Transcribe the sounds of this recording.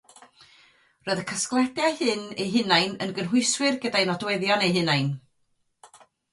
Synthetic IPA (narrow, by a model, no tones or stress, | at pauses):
rɔːɨðəkʰəsklˠɛbjahɨnejɦɨnajnə̰nɡənɦʊjswɪrɡədajnɔdwɛðjɔnejɦɨnajn